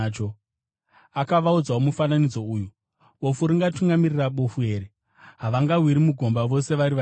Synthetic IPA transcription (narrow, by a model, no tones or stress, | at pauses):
t͡ʃo | akaʋaud͡zaomufananid͡zo̞uːju | ɓo̞fuɾiŋɡatuŋɡamiriraɓofue̞ːɾi | ɦaʋaŋɡaɦwiɾimuɡʱo̞mbaʋo̞se̞ʋaɾiʋa